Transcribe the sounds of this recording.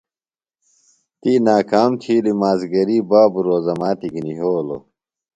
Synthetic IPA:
t̪inaːkaːmt̪ʰilimaːzɡɐɾibaːbuɾoːzɐmaːt̪ikiniɦoːlo̰

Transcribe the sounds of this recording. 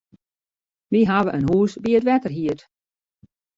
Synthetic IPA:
ʋiɦaʋəʔənɦuːsbiətʋɛtərɦiət

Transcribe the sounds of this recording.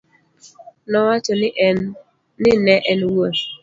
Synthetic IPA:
nɔwat͡ʃɔnɪʔ | nɪnɛʔɛnwot

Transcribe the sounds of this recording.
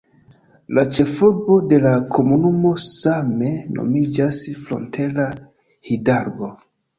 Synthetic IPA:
lat͡ʃe̞fobo̞de̞lakʰo̞munumo̞same̞no̞̰mid͡ʒasflo̞̰ntʰe̞la | hidaɾɡo̞

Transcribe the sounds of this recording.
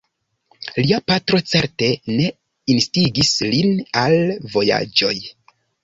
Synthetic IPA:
liapatɾo̞t͡se̞ɾte̞ne̞ | instiɡislinalvo̞ja̰d͡ʒo̞j

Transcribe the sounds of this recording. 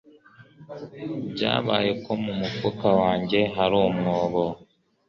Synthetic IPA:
bɟa̰ːβa̰ːje̞ko̞mumufukawaːɲɟe̞ɦaɾumŋoːβo

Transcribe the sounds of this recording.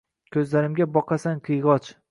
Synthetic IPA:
kʲʰɵzlaɾɪmɡʲabɒqɑsaŋqʰɨjʁɒt͡ʃ

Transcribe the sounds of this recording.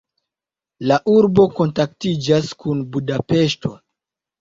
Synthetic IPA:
laʔuɾbo̞ko̞ntak̚tid͡ʒaskunbudape̞ʃto̞

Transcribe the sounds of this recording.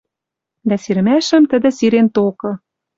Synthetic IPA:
d̪æsiɾɘ̆mæʃə̆mt̪ə̆d̪ə̆siɾent̪okɤ̆

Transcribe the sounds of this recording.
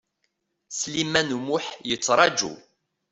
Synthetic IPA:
slimænmuħjət͡sːɾˤɑd͡ʒṵ

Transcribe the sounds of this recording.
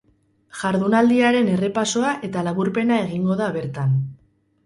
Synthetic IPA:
ʝaɾðunald̪iaɾe̞ne̞re̞paso̞aʔe̞t̪alaɣuɾpe̞nae̞ɣiŋɡo̞ðaβ̞e̞ɾt̪an

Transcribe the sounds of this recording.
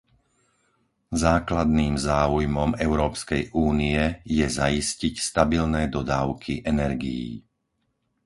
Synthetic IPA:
zaːklad̪niːmzaːujmɔmɛʊɾɔːpskɛjʔuːniɛjɛzaiscicst̪abilnɛːd̪ɔd̪aːʊkʰiʔɛnɛɾɡḭjḭː

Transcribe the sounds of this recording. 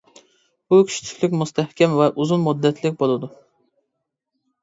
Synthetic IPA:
b̥ukʲʰy̥ʃi̥t͡ʃʰi̥kʲlɪkʲmust̪ʰɛhkʲʰɛmvɛʔuzunmud̪ːɛt̪ʰlɪkʲbolˠɨd̪u

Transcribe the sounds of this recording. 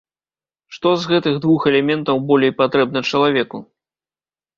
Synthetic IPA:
ʂt̪ɔzɣɛt̪ɨɣd̪vuxɛlʲɛmʲɛnt̪ɐwbɔlʲejpat̪ɾɛb̚nɐt͡ʂɐlˠavʲɛku

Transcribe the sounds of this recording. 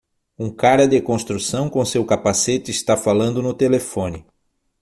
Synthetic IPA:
ũkaɾɐd̪ekõst̪ɾusɐ̃w̃kõsewkapaset̪ɪːst̪afalɐ̃nd̪ʊnʊt̪elefõnɪ

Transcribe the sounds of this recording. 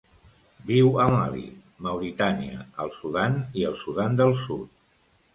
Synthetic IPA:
biwəma̰lḭ | məwɾit̪aniəəlˠsuðaniəlˠsuðand̪əlˠsut̪

